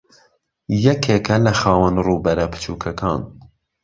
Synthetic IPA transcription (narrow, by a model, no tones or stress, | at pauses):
jɛkʰeːkʰɐlɐxɑːwənruːbɐɾɐpʰɨ̥t͡ʃʰuːkʰɐkʰɑ̰ːn